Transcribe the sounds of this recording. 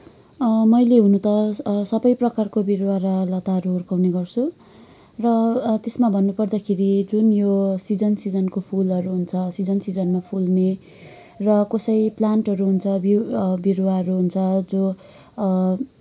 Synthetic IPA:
mʌjleɦunut̪ʌsʌbʌjprʌkarkobirwaɾʌlʌt̪aɦʌɾuɦurkawneɡʌrt͡sʰu | rʌt̪esmabʱʌnːupʌrd̪akʰeɾid͡zunjosid͡zʌnsid͡zʌnkopʰulʌɾuɦunt͡sʰʌsid͡zʌnsid͡zʌnmapʰulne | rʌkʌsʌjplanʈɦʌɾuɦunt͡sʰʌbibirwaɦʌɾuɦunt͡sʰʌd͡zo

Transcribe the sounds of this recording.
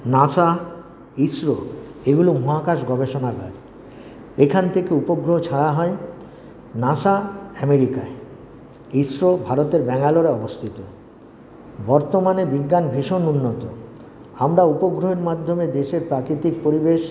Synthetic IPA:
naʃa | isɾoeɡulomuɦakaʃɡɔbeʃonakɔ̰ɾ | ekʰant̪ʰekeupoɡɾoɦot͡ɕʰaɽaɦɔe | naʃaɛmeɾikae | isɾobʱaɾot̪eɾbɛŋaloɾeɔbost̪ʰit̪o | bɔɾt̪omanebiɡːanbʱiʃonunːot̪o | amɾaupoɡɾoɦeɾmad̪ʱːomed̪eʃeɾpɾakɾit̪ik̚poɾibeʃ

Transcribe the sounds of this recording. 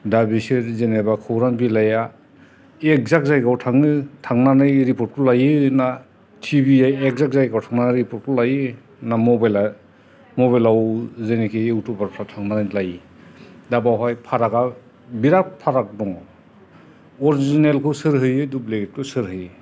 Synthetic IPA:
dabisiɾzenebakʰɯwɾanbilaja | ek̚zak̚zajkawtʰaŋɯtʰaŋnanɯjɾipɔɾt̚kʰulajɯna | tʰibiajek̚zak̚zajɡawtʰaŋnanajɾipɔɾt̚kʰɔlajɯ | namɔbajla | mɔβajlawzenikʰiɯwtubaɾpʰɾatʰaŋnanɯjnlaji | dabawɦajpʰaɾaɡa | biɾak̚pʰaɾak̚dɔŋ | ɔɾizinelkʰɯsɯɾɦɯjɯdupleket̚kʰɯsɯɾɦɯj

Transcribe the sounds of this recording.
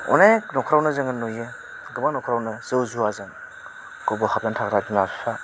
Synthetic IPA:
ɔ̰najnɔkʰɾawnɯzɯŋɯnojɯ | ɡɯbaŋnɔkʰɾawnɯzɯwzuazɯŋ | kɯbɔhʰap̚zantʰakɾadinasa

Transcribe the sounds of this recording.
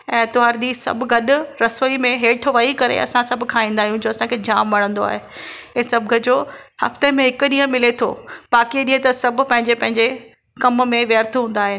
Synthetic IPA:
ɛ̃ːt̪oɦaɾd̪iːsɐ̰bʱʊɡɐɗʊ̆ɾɐsoːimẽɦeːʈʰʊʋaːikɐɾḛɐ̰sãsɐbʱʊkʰãĩːnd̪aːɦijũd͡ʑoːɐsãkʰeːd͡ʑaːmːɐɽ̤ə̃nd̪oa̰ːɦeɛ̃ːsɐbʱɡɐd͡ʑoːhɐ̰ft̪emẽɦɪkʊɗiːə̃mɪlet̪ʰo̰ːbaːkiɗĩɦẽt̪ɐsɐbʱʊ̆pɐ̃ɦɪ̃ɲd͡ʑepɐ̃ɦɪ̃ɲd͡ʑe | kɐmmẽʋjəɾt̪ʰɦũːn̆d̪aːɦɪnɪ

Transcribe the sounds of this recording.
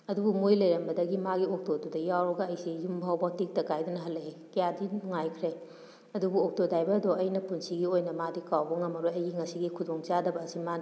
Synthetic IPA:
ɐdubumujlɐjɾɐmbɐdɐɡimaɡiok̚todudɐjawɾɐɡɐːjsijumbʱawbatik̚tɐkajdunɐɦɐlːɐɦe | kijadinuŋajkʰɾe | ɐdubuɔk̚todajbɐdɔɐjnɐpunsiɡiojnɐmadikawbɐŋɐmɐɾojɐjɡiŋɐsiɡikʰudɔŋt͡ʃadɐbɐːsiman

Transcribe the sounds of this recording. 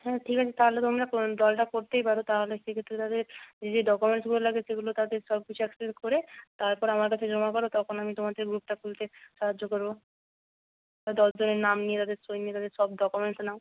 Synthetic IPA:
ɦɛʈʰikat͡ɕʰet̪aɦolet̪omɾakd̪ɔlʈakoɾt̪ejpaɾot̪aɦoleʃekʰet̪ːɾet̪ad̪eɾd͡ʑed͡ʑeɖɔkumeɳsɡulolaɡed͡ʑʰeɡulot̪ad̪eɾʃɔb̚kit͡ɕʰuɛkseʈ̚koɾet̪aɾpɔɾamaɾkat͡ɕʰed͡ʑɔmakɔɾot̪ɔkʰonamit̪omad̪eɾɡɾup̚ʈakult̪eʃaɦad͡ʑːokoɾbo | d̪ɔld͡ʑoneɾnamnijet̪ad̪eɾsojniet̪ad̪eɾʃɔb̚ɖɔkumeɳsnao

